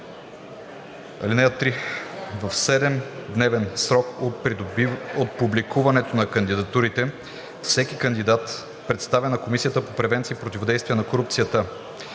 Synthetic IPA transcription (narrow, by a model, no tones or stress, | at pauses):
ɐ̰linɛjət̪ɾivəfsɛd̪ɛmd̪nɛvɛnsɾɔko | ot̪̚publikuvɐnɛt̪onɐkɐnd̪id̪ɐt̪uɾit̪ɛ | fsɛk̟ikɐnd̪id̪at̪ | pɾɛt̪st̪avɛnɐkomisijət̪əpopɾɛvɛnt̪siːpɾot̪ʲivod̪ɛjst̪vijɛnɐkoɾup̚t̪sijət̪ə